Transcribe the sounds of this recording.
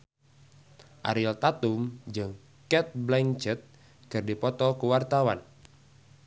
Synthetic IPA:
ʔa̰ɾɪlt̪at̪umd͡ʒɨŋ | kɛt̪̚blɛŋt͡ʃɛt̪̚ | kɨrdipɔt̪ɔkəwart̪awa̰n

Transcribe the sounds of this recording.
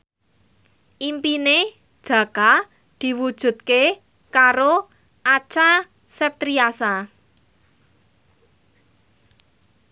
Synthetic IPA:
ʔimpine | d̥ʒ̥ä̤ka | d̪̥i̤wud̥ʒ̥ṳt̪̚ke | kaɾo | ʔat͡ʃa | sɛp̚t̪ɾiasa

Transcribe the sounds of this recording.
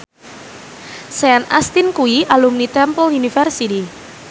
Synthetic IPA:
sɛana̰st̪inkuiʔalumnit̪ɛmpɔlunifɛrsiti

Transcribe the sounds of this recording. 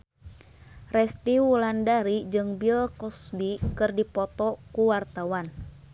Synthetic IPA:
rɛst̪iwulandaɾid͡ʒɨŋbilkɔsbikɨrdipɔt̪ɔkuwart̪awan

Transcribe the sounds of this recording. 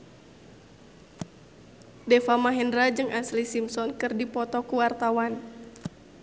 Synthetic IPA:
dɛfamaɦɛndɾad͡ʒɨŋʔaslisimsɔnkɨrdipɔt̪ɔkuwart̪awan

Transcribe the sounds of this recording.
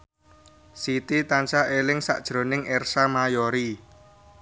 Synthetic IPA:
sit̪it̪ant͡ʃaʔelɪŋsa̰ʔd̥ʒ̥ɾo̤nɪŋɛrsamajoɾi

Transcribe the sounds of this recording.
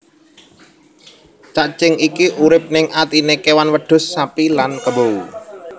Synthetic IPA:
t͡ʃaʔt͡ʃɪŋikiʔuɾɪp̚nɪŋʔat̪inekewanwəɖ̥ʊ̤sːapilankəbowu

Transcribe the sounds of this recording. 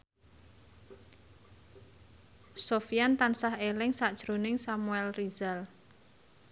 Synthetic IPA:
sofijant̪ansahelɪŋsaʔd̥ʒ̥ɾonɪŋsamuɛlriz̥al

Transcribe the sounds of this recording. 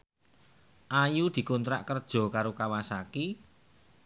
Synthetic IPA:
ʔajud̪̥i̤kɔnt̪ɾa̰ʔkərd̥ʒ̥ɔ̤kaɾokawasaki

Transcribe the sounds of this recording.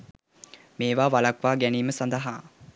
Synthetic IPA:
meːʋaːʋalakʋaːɡæniːməsand̪əɦaː

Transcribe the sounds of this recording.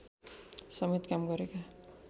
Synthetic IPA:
sʌmet̪kamɡʌɾeka

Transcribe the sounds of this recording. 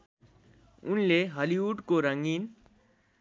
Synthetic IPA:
unleɦʌliuʈkoɾʌŋɡin

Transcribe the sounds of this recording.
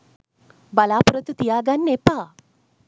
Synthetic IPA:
balaːpuɾət̪ut̪ijaːɡanːepaː

